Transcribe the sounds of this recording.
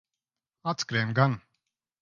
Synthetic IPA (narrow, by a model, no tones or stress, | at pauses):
at͡skɾɛnɡan